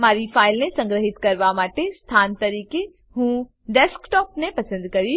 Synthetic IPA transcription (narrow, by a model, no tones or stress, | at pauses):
maːɾipʰaːɪlnẽsɐ̃ŋɡɾəɦɪt̪kɐɾʋamaːʈest̪ʰaːnt̪ɐɾiːke | ɦũː | ɖeːskʈɔːpnepɐsə̃nd̪kɐɾi